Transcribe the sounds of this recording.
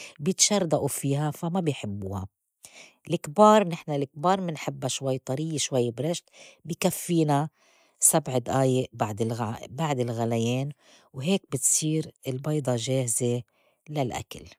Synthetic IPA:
bjɪt̪ʃɑrˤd̪aʔufiːɦafamabɪjħɪbːuːha̰ | lɪkbɑːɾˤnɪħnalɪk̚bɑːɾˤmɪnħɪbːaʃwajːt̪ˤɑɾijːeʃwajːbɾaʃt̪bɪjkafːiːna | sabʕd̪ʔaːjebaʕd̪ɪlbaʕd̪ɪlɣalajeːn | wɦeːk̚bɪt̪sˤiːɾɪlbɑjd̪ˤɑʒeːhɪze | lalʔa̰kal

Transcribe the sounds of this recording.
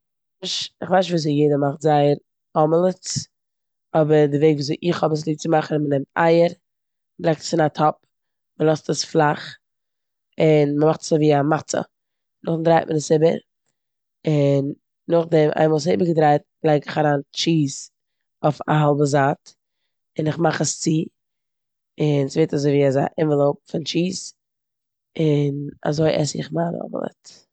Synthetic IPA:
aʃɪχvaɪʃ̬viːszɛjeɪdəmaχtzaɪəɾ | ɔməlˠət͡s | ɔbəɾdɪveɪɡvuːzeɪʔɪχhɔbəs̬lˠiːt͡sɪmaχn̩mənɛmta̰ɪəɾ | lˠaɪk̚tə̥sɪnatʰɔp̚ | məlˠɔstəsflˠaχ | ɪnməmaχtə̥soviːamat͡sə̰ | nʊχdɾaɪt̚mʔənəsɪbə̰ɾ | ɪnː | ʊχdɛmʔa̰ɪmɔʊsɪːbəɾɡədɾaɪt̚ | lˠɛɪɡɪχaɾaːnt͡ʃiːz | ɔfa̰ɦɔlˠbəzaːt | ɪnɪχmaχəst͡siː | ɪnsveɪtazoɪviːaza̰ʔɪmvəlˠoʊp̚fɪnt͡ʃiːz | ɪna̰zoɪʔɛ̰sɪ̰χmaːnɔ̰bə̰lˠɛ̰t

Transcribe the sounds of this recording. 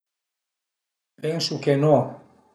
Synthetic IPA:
peŋsukeno

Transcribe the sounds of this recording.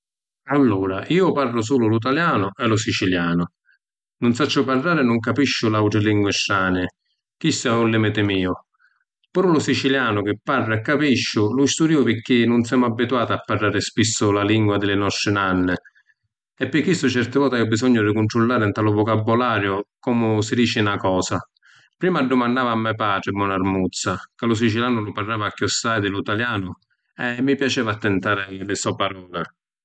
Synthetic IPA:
alːuːɾaiːʊparːʊs̬uːlʊlut̪̬aljaːnʊʔɛlʊs̬it͡ʃiljaːnʊ | nʊnsat͡ʃːʊparːaːɾɪnʊŋkapiʃːʊlawʈɾɪliŋɡwɪʃːaːnɪ | k̟isaulːɪmɪt̪ɪmiːʊ | puɾulʊsit͡ʃiljaːnʊk̟ɪpːarːʊɛkːapiʃːʊlʊist̪uɾiːʊpɪk̟ːɪnʊnsɛːmʊabːit̪uaːt̪apːarːaːɾɪspisːʊlaliŋɡwad̪ɪlɪnɔst̪ɾɪnanːɪ | ɛpːɪkːisːʊt͡ʃɛrt̪ɪvɔːt̪aiʊbːisɔɲːʊrikʊnʈɾulːaːɾɪnt̪alʊvʊkabːʊlaːɾjʊkɔmʊsid̪iːt͡ʃɪnakɔːsa | pɾiːmaɖːʊmanːaːvamːɛpaːʈɾɪbːɔnarmut̪sːakalʊs̬it͡ʃiljaːnʊlʊparːaːvakːɔsːajd̪ɪlut̪aljaːnʊ | ɛmːipjat͡ʃɛːvat̪ːɛnt̪aːɾɪlɪsɔpaɾɔːlɪ

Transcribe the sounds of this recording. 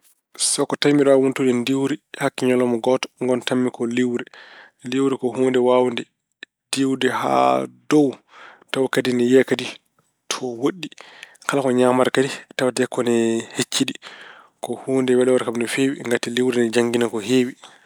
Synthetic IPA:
sɔkːɔtajmiɾawuntudɛndiwɾihakːiɲɔlɔmɔɡɔtɔ̥ŋɡɔntamːikɔliwɾɛ | liwɾɛkɔɦuːndɛwawndɛ | d̥iwdɛha̰dɔw | tawkadinɛjɛkadi | tʰɔwoɗːikalakɔɲaːmaɾkaditawatɛkːɔnɛhet͡ʃːiɗi | kɔhuːndɛwɛlɛwaɾkamndɔfewiŋɡatiliwɾɛnɛd͡ʒaŋɡinakɔɦeːwi

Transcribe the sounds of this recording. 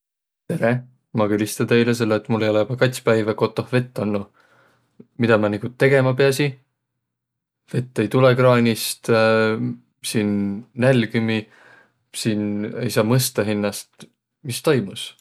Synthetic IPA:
t̪e̞ɾe | mɑkylʲist̪ɑnt̪e̞jles̬e̞lːeːt̪ːˑmulːejo̞lejub̥ɑkɑt̪ʲspæjvɑko̞t̪ːˑo̞hve̞t̪ˑːɑnːu | mid̪ɑmɑniɡ̥ut̪ːe̞ɡe̞mɑpeɑsi | ve̞t̪ːejt̪ulekrɑːnʲist̪ | sinːælʲkymi | sine̞̰jsɑːmɤst̪ɑɦinːɑst̪ | mist̪o̞jmus

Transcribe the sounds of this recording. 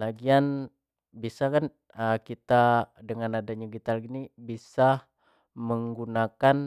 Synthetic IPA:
laɡian | bisakan | əkit̪adəŋanadaɲaɡit̪alɡinibisa | məŋɡunakan

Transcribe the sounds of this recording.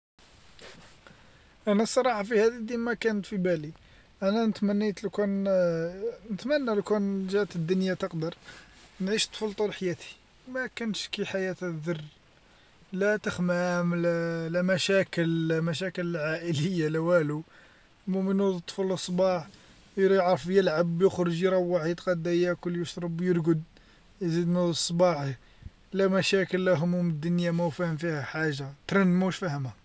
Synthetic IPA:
ʔænæsˤːɑɾˤɑħɑfihæd̪id̪imækænət̪fibæli | ʔænænət̪mænːit̪lkun | nət̪mænːælkunʒæt̪əd̪ːʊnjat̪əqd̪əɾˤnʕiʃt̪ˤfəlt̪ˤulħjæt̪ʰi̥ | mækænʃkiħajæt̪d̪ərː | læt̪əxmæmllæmæʃækəlmæʃ̬ækələlʕaʔələjːalæwælu | mʊmənod̪ˤt̪ˤːfəlʔəsˤbɑħ | jɾjəʕɾəfjəlʕabjəxɾʒɾˤɑwːaʕid̪qɑd̪æjækʊlːjəʃɾˤɑbjəɾɡəd̪ | jzid̪nud̪sˤbɑħ | læmæʃækəlːæɦʊmumd̪ːʊnjamæfæhəmfihæħaʒːat̪ɾˤɑnmuʃfæhəma

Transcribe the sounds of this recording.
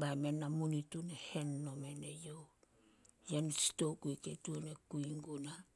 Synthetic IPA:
bajme̞nːamunitunehe̞nːo̞me̞nejo̞w | jensi̥to̞wkujketuonekuiŋɡuna

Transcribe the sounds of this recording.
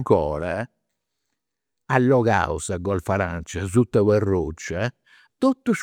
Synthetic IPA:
kɔ̰ːɾɛ | alːɔɣa̰wsaɡɔalfaɾant͡ʃɛzut̪ːɛwɛrːot͡ʃːɛ | t̪ot̪ːuʃ

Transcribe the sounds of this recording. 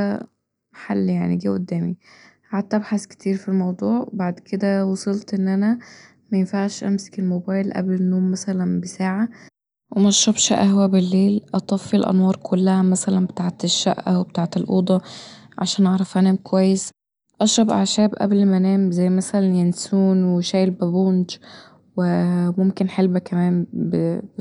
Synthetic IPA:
ħalːjaʕniɡiːʔod̪ːæːmihaʕad̪̚t̪ːʔæbħaske̥t̪ʰiːɾfilmɑwd̪ˤuːʕbaʕd̪kʰed̪æwɑsˤelt̪ʔenːʔænæ | mæjenfaʕʃʔæmse̥kelmobæːjlʔæ̰blenːoːmːæsælænbesaːʕa | wemæʃːɑbʃʔæhwæbelːeːlʔɑt̪ˤɑfːilʔɑ̰nwɑːɾˤkʰolːæhæmæsælænbet̪aːʕt̪eʃːæ̰ʔʔæ̰webet̪aːʕt̪elʔṵːd̪ˤɑʕaʃæːnʔɑʕɾˤɑfʔænæːmkowæjːes | ʔɑʃɾˤɑbʔa̰ʕʃæːbʔæ̰blmænæːmzæjːmæsælænjænsuːnweʃæːjlbæbond͡ʒ | wemomkenħelbækæmæːmbe

